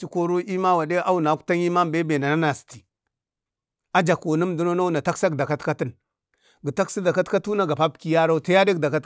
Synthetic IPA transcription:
t͡ʃi˦ko˦ɾu˦ʔi˦ma˦wa˨de˦ʔa˦u˨na˨˦ku̥˦ta˦ɲi˦ma˦m˨be˦be˨na˨na˦na˨si̥˨ti̥˨ | a˦d͡ʒa˨ko˨na˦m˨du˦no˦na˦u˦na˨ta˦ksa˦ɡda˨ka˦tka˦ti˦n | ɡə˨ta˦ksi˦da˨ka˦tka˦tu˦na˨ɡa˨pa˦b̚ki˦ja˦ɾa˦ta˦ja˦de˦ɡda˨ka˦t

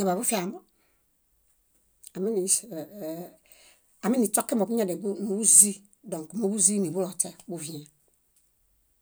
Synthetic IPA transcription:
a˨ba˨bu˦fi˦a˨mo˦ | a˨mi˦ni˨ | a˨mi˦ni˨t͡ʃɔ˦ke˦mɔ˨ku˦ɲa˦de˨bu˦nu˨bu˦zi˦ | dɔ̃˨ŋ˨ku˨mo˦bu˦zi˦ni˨bu˦lɔ˨tɛ˦bu˦vi˨a˨

